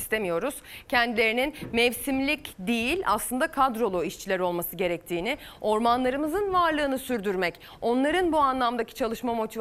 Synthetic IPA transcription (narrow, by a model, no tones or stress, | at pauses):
st̪e̞mijo̞ɾuz̥cʰɛnd̪ilʲe̞ɾininmɛvsimlʲicd̪ijilʲa̰slˠɯnd̪akʰad̪ɾo̞lˠoiʃt͡ʃʰilʲæɾo̞lˠmasɯɟe̞ɾɛc̚t̪ʰiːnɪo̞ɾmanlˠaɾɯmɯzɯnvaɾlˠɯːnɯsyɾd̪yɾmɛc | o̞nlˠaɾɯnbuanlˠamd̪acʰi̥t͡ʃʰalˠɯʃmamo̞t̪ʰiv